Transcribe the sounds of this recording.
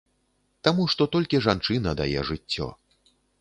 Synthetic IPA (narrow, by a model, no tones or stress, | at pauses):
t̪amuʂt̪ɔt̪ɔlʲkʲiʐant͡ʂɨnɐd̪a̰jɛ̰ʐɨtt͡sʲːɔ̰